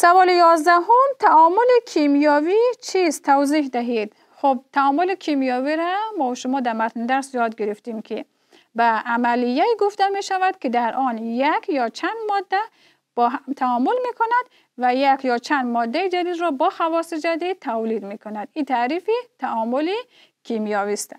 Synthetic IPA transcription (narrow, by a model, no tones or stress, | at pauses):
savɔlijɒzd̪aɦumt̪ʰaɔmulikʰimjɔvit͡ʃʰizt̪ʰavzihd̪aɦid̪ | χub̚t̪ʰaɔmulikʰimijɔviɾamɔʃumɔd̪amat̪nd̪aɾsjɔd̪ɡiɾift̪imkʰi | baːmalijːaiɡuft̪ameʃavad̪̚kʰid̪aɾʔɔnjakʰjɔt͡ʃʰand̪mɔd̪ːa | b̥ɔt̪ʰaɔmulmekʰunad̪ | vajakjɔt͡ʃʰand̪mɔd̪ːaid͡ʒad̪izɾɔbɔxavɔsid͡ʒad̪it̪ʰawlid̪mekʰunad̪it̪ʰaɾifit̪ʰaɔmuli | kʰimijɔvist̪